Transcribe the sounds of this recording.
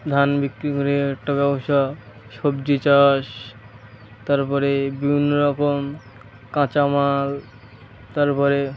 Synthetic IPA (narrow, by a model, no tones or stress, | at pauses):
d̪ʱanbikɾikoɾeɛk̚ʈabɛboʃaʃobd͡ʑit͡ɕaʃ | t̪aɾpɔɾebiunɾɔkom | kãt͡ɕamal | t̪aɾpɔɾe